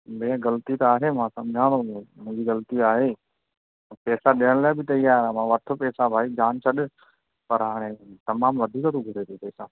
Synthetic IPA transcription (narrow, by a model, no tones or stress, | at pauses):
meːãɡɐlt̪it̪aːɦemãsɐ̃mɪd͡ʑʱãːõmũːd͡ʑiɣɐlt̪iaːɦeː | pɛːsaɗɪəɽ̃laabʱɪt̪ɐiːaːɾamãːʋɐt̪ʰə̆pɛːsabʱaːid͡ʒaːnt͡ʃʰɐɗ | pɐɾɦaːɽ̃et̪ɐmaːmʋɐd̪ʱiːkət̪ũɡʱʊɽeːt̪ʰupɛːsa